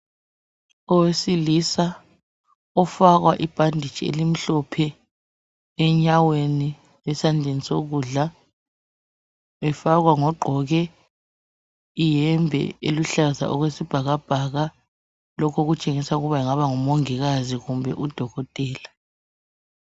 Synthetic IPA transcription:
ɔwesilisa | ɔfak̬waʔib̥ʱandʱit͡ʃʼiḛlim̩ɬɔpʰɛ | ɛɲaweni | ɛsand͡ɮʱenisok̬uːɮa | ɛfak̬waŋɔɡ͡ǃʱɔɣ̬ɛ | ijɛmbʱɛ̰ḛluɬaza̰ʔɔk̬wesib̥ʱaɣ̬ab̥ʱaɣa | lɔkʰɔɣ̬ut͡ʃʼeŋisauɣuβaiŋaɓaŋɔmoŋiɣ̬aziɣumbʱɛʔud̥ʱɔɣɔtʼɛːla

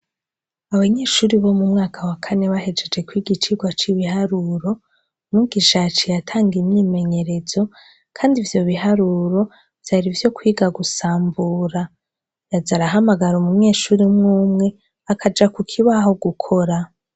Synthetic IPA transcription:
aβaɲe̞ːʃuːɾiβo̞mumŋaːkʰawakʰane̞βaɦe̞d͡ʒe̞d͡ʒe̞kwiːɡit͡ʃiɡwat͡ʃiβihaɾuɾo̞ | muɡiʃat͡ʃijatʰaːŋɡimɲiːme̞ɲe̞ɾe̞zo̞ | kʰaːndivjo̞βiɦaɾuɾo̞ | v̥jaɾivjo̞kwiːɡaɡusaːmbuːɾa | jazaɾaɦamaɡaɾumuɲe̞ːʃuːɾimŋuːmŋe̞ | akʰad͡ʒakukʰiβaho̞ɡukʰo̞ɾa

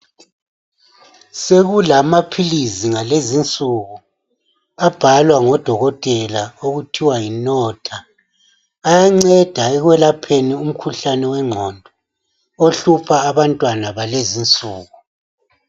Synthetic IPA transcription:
seɣulamapʰiliziŋalezint͡sʼuɣu | ab̥ʱalwaŋɔd̥ʱɔɣɔtʼɛlaoɣutʰiwajinɔtʰaː | jaŋ͡ǀɛd̥ʱaɛɣwɛlapʰenium̩kʰuɬanɛwɛŋ͡ǃʱɔndʱɔ | oɬupʰaːβantʼwanaβalezint͡sʼuːɣu

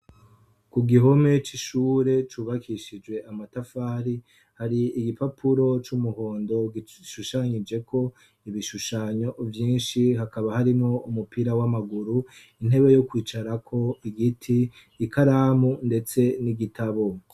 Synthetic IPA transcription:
kuɡiɦo̞me̞t͡ʃiʃuːɾe̞t͡ʃuːβakʰiʃid͡ʒwe̞amatafaːɾi | haɾiiɡipapʰuɾo̞t͡ʃumuho̞ːndo̞ɡiʃuʃaɲid͡ʒe̞kʰo̞ | iβiʃuʃaːɲo̞vjiːnʃiɦakaβahaɾimo̞umupiɾawamaɡuɾu | in̥he̞βe̞jo̞kwiːt͡ʃaɾakʰo̞iɡitʰiː | kaɾaːmunde̞t͡se̞niɡitʰaβo̞

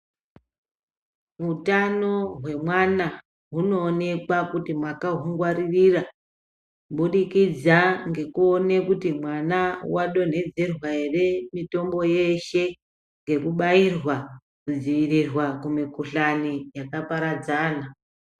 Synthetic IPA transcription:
ʋutano̞ɦwe̞mwana | ɦuno̞ːne̞kwakutimwakaɦuŋɡwaririra | ɓuɗikid͡zaŋɡe̞kuone̞kutimwanawaɗo̞n̤e̞d͡zerwaere̞mito̞mbo̞je̞ʃe̞ | ŋɡe̞kuɓairwa | kud͡ziʋirirwakumikuɬanijakapaɾad͡zaːna

